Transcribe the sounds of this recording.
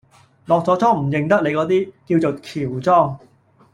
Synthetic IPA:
lɔː˨k̚t͡sɔː˨˥t͡sɔː˥ŋm̩˨˩jɪ˨ŋt̪ɐ˥k̚le˨˧jkɔː˨˥t̪iː˥kiː˧wt͡so˨˩kʰiː˨˩wt͡sɔː˥ŋ

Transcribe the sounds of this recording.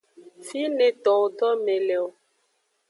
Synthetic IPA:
fi˦nẽ˨t̪ɔ̃˨wo˨ɖɔ˦mẽ˨lɛ˨o˨

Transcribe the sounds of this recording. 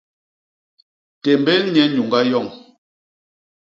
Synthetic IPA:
tɛ˨mbɛ˦lɲɛ˦ɲu˨ŋɡa˦jɔ˦˨ŋ

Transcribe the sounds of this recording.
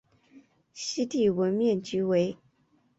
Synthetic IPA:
ɕi˥t̪i˥˩wə˧˥nmjɛ˥˩nt͡ɕy˧˥we˧˥ɪ

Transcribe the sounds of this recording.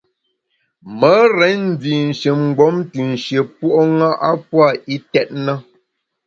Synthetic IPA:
mə˨˦ɾɛ˨˦n̩˦˨d͡zi˨n̩˨ʃə˨m̩˨ɡ͡bɔ˨˦mti˨n̩˨ʃje˨po˦ʔo˦ŋa˦ʔa˦pwa˦˨i˦tɛ˦t̚nə˦

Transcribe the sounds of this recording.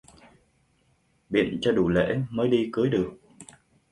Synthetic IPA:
ɓḭ˧˨ənt͡ɕɔ˧ɗu˧˩lḛ˧˥məː˨˦jɗi˧kɨ˨˦əjɗɨ˨˩ək̚

